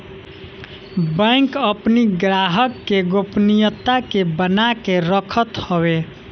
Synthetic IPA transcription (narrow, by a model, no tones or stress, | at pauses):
bə̃kəpniɡɾaɦəkːeɡopnijət̪ːakebənakeɾəkʰət̪hɔbe